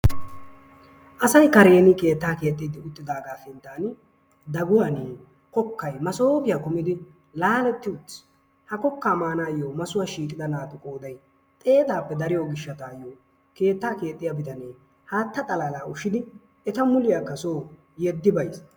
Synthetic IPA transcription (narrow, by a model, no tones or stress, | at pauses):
ʔɐsɐjkɐɾe̞ːnɪke̞ːt̪ːaːke̞ːt̪ʼːiːd̪ɪʊt̪ːɪd̪aːɡaːfɪnt̪ːaːn | d̪ɐɡʊwaneː | kɔkːɐjmɐsoːpɪjaːkʊmɪd̪ɪ | laːlɛt̪ːɪʊt͡sː | hɐkɔkːaːmaːnaːjoːmɐsʊwaːʃiːtʼːɪd̪ɐnaːt̪ʊkʼo̞ːd̪ɐj | t̪ʼe̞ːt̪aːpːɛd̪ɐɾɪjoːɡɪʃːɐt̪aːjːoː | ke̞ːt̪ːaːke̞ːt̪ʼːɪjabɪt̪ɐneː | haːt̪ːɐt̪ʼɐlaːlaːʊʃɪd̪ɪ | ɛt̪ɐmʊlɪjaːkːɐsoː | jɛd̪ːɪbɐjs